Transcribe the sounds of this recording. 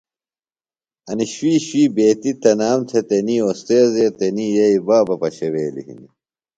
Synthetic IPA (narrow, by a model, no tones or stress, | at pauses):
ɐniɕwiːɕwiːbeːt̪it̪ɐnaːmt̪ʰet̪eniːost̪eːzeːt̪eniːjɐibaːbɐpɐɕeweːlḭhḭni